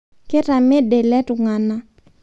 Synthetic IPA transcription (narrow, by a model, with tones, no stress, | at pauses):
kɪ˦ta˨mɛ˦de˨lɛ˦tʊ˨ŋa˨na˦